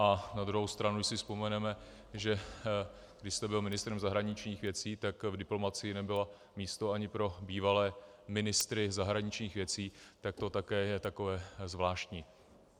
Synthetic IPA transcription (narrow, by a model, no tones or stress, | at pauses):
ʔanad̪ɾuɦowst̪ɾanudɪsɪspo̞mɛnɛmɛ | ʒɛ | ɡdɪʃst̪ɛbɪlmɪnɪst̪ɾɛmzaɦɾaɲɪt͡ʃɲiːxvjɛt͡siːt̪akvdɪplo̞mat͡sɪjɪnɛbɪla | miːst̪oaɲɪpɾo̞biːvalɛːmɪnɪst̪ɾɪzaɦɾaɲɪt͡ʃɲiːxvjɛt͡siːt̪ak̚t̪o̞t̪akɛːjɛt̪ako̞vɛːzvlaːʃc̪ɲiː